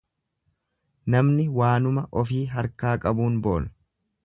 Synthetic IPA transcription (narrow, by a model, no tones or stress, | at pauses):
nɐmnɪwaːnʊmɐʔɔfiːɦɐɾkaːkʼɐbuːnbo̞̰ːl